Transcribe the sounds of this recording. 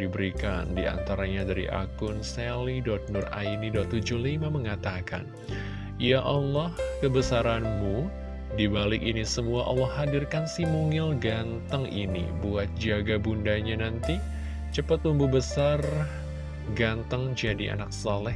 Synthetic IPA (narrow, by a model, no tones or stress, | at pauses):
dibəɾikandia̰nt̪aɾaɲadaɾḭʔa̰kʊnsɛlidɔt̪̚nʊra̰inidɔt̪ːud͡ʒuhlimaməŋat̪aka̰n | ijaʔɔlːɔhkəbəsaɾanmu | dibalɪkinisəmuaʔɔlːɔhadirkansimuŋɪlɡant̪əŋḭnḭbuat̪̚d͡ʒaɡabundaɲanant̪i | t͡ʃəpat̪lumbubəsar | ɡant̪əŋd͡ʒadiʔa̰nak̚salɛh